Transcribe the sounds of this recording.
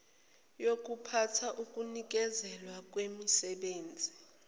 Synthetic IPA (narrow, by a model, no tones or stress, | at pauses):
jok̬ʼupʰatʰaʔukʼunik̬ʼɛzɛlwak̬ʼwemisɛɓeːnd͡zʱi